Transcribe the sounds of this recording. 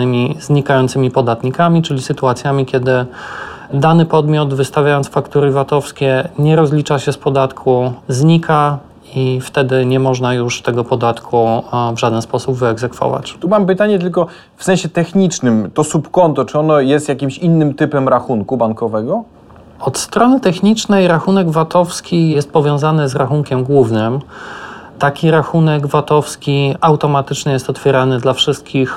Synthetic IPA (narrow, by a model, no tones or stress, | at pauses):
ɘmʲizɲikajɔnt̪sɘmʲipɔd̪at̪ɲikamʲit͡ʂɘlʲisɘt̪uat̪sʲjamʲikʲɛd̪ɘ | d̪anɘpɔd̪mʲjɔd̪vɘst̪avʲjajɔnt̪sfakt̪uɾɘvat̪ɔfskʲɛɲɛɾɔzlʲit͡ʂaɕɛspɔd̪at̪kʰuzɲikʰa | ift̪ɛd̪ɘɲɛmɔʐnajuʂt̪ɛɡɔpɔd̪at̪kʰuvʐad̪ɛnspɔsubvɘɛɡzɛkfɔ̰va̰t͡ɕt̪umampɘt̪aɲɛt̪ɘlkɔ | fsɛ̃ñɕɛt̪ɛxɲit͡ʂnɘmt̪ɔsupkɔnt̪ɔt͡ʂɘɔnɔjɛst̪jakʲimɕinːɘmt̪ɘpɛmɾaxunkubaŋkɔvɛɡɔ | ɔt̪st̪ɾɔnɘt̪ɛxɲit͡ʂnɛjɾaxunɛɡvat̪ɔfskʲijɛst̪̚pɔvʲjɔ̃w̃zanɘzɾaxuŋkʲɛmɡwuvnɘm | t̪akʲiɾaxunɛɡvat̪ɔfskʲiawt̪ɔmat̪ɘt͡ʂɲɛjɛst̪ɔt̪fʲjɛɾanɘd̪lafʂɘst̪̚kʲix